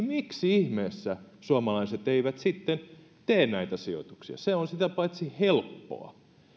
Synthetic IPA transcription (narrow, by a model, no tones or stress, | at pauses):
miksiihmeːsːæ | suɑmɑlɑiset̪eiʋæt̪sit̪ːen | t̪eːnnæit̪æsio̰t̪uksiɑ̰seonsit̪æpɑit̪sihelpːo̰ɑ̰